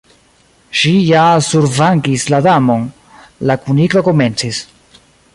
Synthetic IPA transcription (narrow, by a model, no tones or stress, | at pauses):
ʃijasuɾvaŋɡisladamo̞n | lakuniko̞ko̞me̞nt͡sis